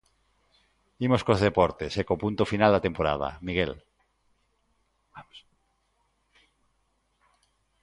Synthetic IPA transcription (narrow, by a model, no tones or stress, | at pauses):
imoskozðepɔɾt̪esekopunt̪ofinald̪at̪empoɾa̰ð̞a̰miɣ̞el | as